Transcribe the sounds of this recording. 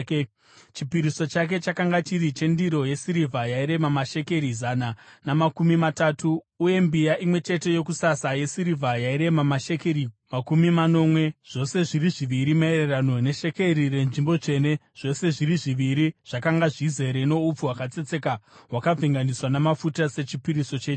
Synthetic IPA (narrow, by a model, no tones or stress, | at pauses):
t͡ʃipiɾiso̞t͡ʃak̬e̞t͡ʃakaŋɡat͡ʃiɾit͡ʃe̞ndiɾo̞je̞siɾivʱajaiɾe̞mamaʃe̞ke̞ɾizananamakumimatatuː | je̞mbijaʔimwe̞t͡ʃe̞te̞jo̞kusasajesiɾivʱajaiɾe̞mamaʃe̞ke̞ɾimakumimano̞mwe̞ʐ̥o̞se̞ʐiriʐiʋiɾimae̞ɾerano̞ne̞ʃe̞ke̞ɾire̞nʐimbo̞t͡ʃe̞ne̞ | ʐ̥o̞se̞ʐiɾiʐiʋiɾiʐ̥akaŋɡaʐize̞ɾe̞no̞up͡fuwakat͡se̞t͡se̞kawakavʱiŋɡaniswanamafutase̞t͡ʃipiɾiso̞t͡ʃe̞ːt͡ʃ